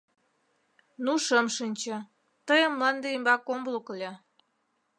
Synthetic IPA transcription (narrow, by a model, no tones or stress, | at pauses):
nuʃəmʃinʲt͡ɕə̆ | t̪əjəmlɑnd̪eimbɑkomblˠuklʲe